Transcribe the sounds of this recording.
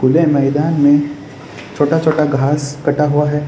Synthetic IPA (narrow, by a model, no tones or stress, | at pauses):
ɡʊlemɛːd̪aːnmẽ | t͡ʃʰoːʈat͡ʃʰoːʈaɡʱaːskɐʈaɦuaɦɛː